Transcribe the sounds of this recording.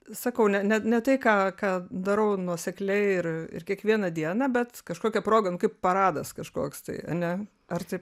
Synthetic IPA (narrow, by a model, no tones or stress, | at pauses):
sɐkɐʊnʲɛnʲɛnʲɛt̪ɐɪkɑːkɑːd̪ɐɾɐʊnuɔsʲɛklʲɛɪɪrɪ̰rkʲiɛkʋʲiɛnɐd̪ʲiɛnɑbʲɛt̪kɐʃkoːkʲɛpɾoːɡɐnʊkɐɪppɐɾɑːd̪ɐskɐʃko̰ːkst̪ɐ̰ɪɐ̰nʲɛ | ɐrt̪ɐɪp